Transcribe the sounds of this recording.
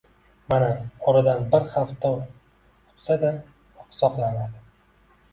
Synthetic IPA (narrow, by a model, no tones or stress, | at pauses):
manaɒɾad̪anbɪɾχaft̪ːa | ʊ̥t̪sad̪a | qsɒqlanad̪ɪ